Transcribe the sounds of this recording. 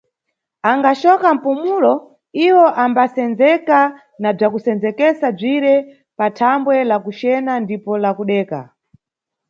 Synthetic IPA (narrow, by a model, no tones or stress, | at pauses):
aŋɡat͡ʃɔkam̩pumulɔ | iwɔʔambasɛnd͡zɛka | nab͡ʐakusɛnd͡zɛkɛsab͡ʐiɾɛ | patʰambwɛlakut͡ʃɛnandipɔlakuɗɛːka̰